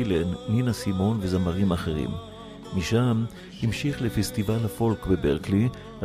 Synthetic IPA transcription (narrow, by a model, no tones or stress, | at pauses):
lenːinasimo̞nvezamaʁimaχeʁḭmː | iʃam | himʃiχlefest̪ivalafo̞lkbebeʁkli